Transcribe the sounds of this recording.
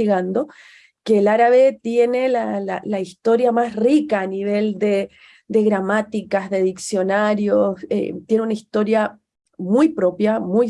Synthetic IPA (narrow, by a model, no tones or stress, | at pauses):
iɣand̪o̞ | ke̞ːlaɾaβet̪je̞ne̞lalalaist̪o̞ɾjamasrikaːniβ̞e̞ld̪e | d̪e̞ɣɾamat̪ikazðe̞ðiksjo̞naɾjosḛt̪jeneunaist̪o̞ɾja | mujpɾo̞pjamuj